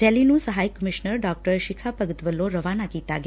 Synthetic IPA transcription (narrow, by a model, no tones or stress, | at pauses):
ɛlinũsəɦajkːəmɪʃnəɾɖɔk̚ʈəɾʃikʰapəɡət̪ʋəlːoɾəʋanakit̪aɡ